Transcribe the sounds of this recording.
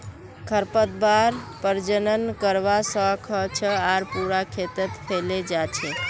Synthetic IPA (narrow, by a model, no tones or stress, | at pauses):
kʰəɾpət̪̚baɾpəɾd͡ʒənənkəɾʋasə̃kʰət͡ʃʰəaɾpuɾakʰet̪ət̪pʰeled͡ʒat͡ʃʰe